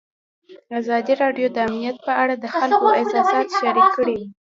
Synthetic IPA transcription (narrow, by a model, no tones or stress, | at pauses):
azɑd̪iɾɑɖjod̪əamnijat̪̚pəaɽad̪əxalkoʔɪsɑsɑt̪ʃaɾikːəɽiwi